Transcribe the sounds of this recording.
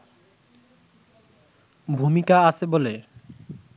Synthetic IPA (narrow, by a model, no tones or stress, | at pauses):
bʱumikaat͡ɕʰebole